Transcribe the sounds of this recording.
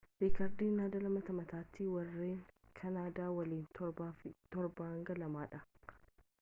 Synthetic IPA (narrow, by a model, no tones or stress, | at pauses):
biːkɐɾd̪iːnaːd̪ɐlɐmɐt̪ɐmɐt̪aːt̪ːɪwɐrːeːŋkʰɐnaːd̪aːwɐliːnt̪ʰɔt̪ɔɾbaːɐŋɡɐlɐmaːᶑɐ